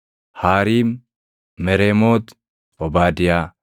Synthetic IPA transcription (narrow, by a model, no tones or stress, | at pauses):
haːɾiːm | mɛɾemoːt̪ | bɔbaːd̪ɪjaː